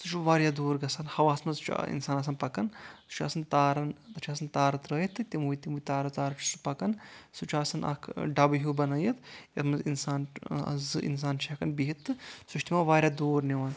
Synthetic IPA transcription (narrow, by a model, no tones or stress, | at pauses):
sut͡ʃʰuʋaːɾʲjaːd̪oːɾɡɐsanhɐʋaːsmɐzt͡ʃʰḭnsaːnɐs̬ɐnpɐkɐnsu̥t͡ʃʰa̰ːsɐnt̪aːɾɐnt̪ɐt͡ʃʰaːsɐnt̪aːɾɐt̪ɾəːjit̪ːt̪imujit̪imuːt̪aːɾɐt̪aːɾɐt͡ʃʰu̥supɐkɐnsut͡ʃʰaːsɐnɐ̰kʰɖɐbɨɦuːbɐnɐjɐt̪jɐt̪mɐzinsaːnɐ̰zɨʔḭns̬aːnt͡ʃʰɐkɐnbiɦit̪ːɨsuʃt̪ʰimaːʋaːɾjaːd̪oːɾniʋaːn